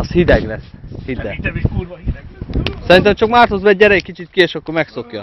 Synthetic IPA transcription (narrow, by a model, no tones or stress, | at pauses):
ɒshid̪ɛɡlɛshid̪ɛ | sɛɾint̪ɛmt͡ʃɒkmaːrt̪hozbɛɟ̚ːɛɾɛjɛkːit͡ʃit̪kieːʃɒkːoɾmɛkso̞kjɒ̰